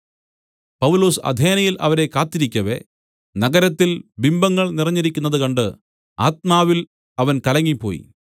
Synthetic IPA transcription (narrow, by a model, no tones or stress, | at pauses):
pɐʋulo̞ːsɐ̰d̪ʱe̞ːnɐjilʔɐ̰ʋɐɾe̞kaːt̪ːiɾikʲːɐʋe̞̰ | nɐɡɐɾɐt̪ːilbimbɐŋːɐɭnirɐɲːɐɾikʲːunːɐðɨkɐɳɖɨ | a̰ːt̪̚maːʋil | ɐʋɐnkɐlɐŋːipːo̞ːjḭ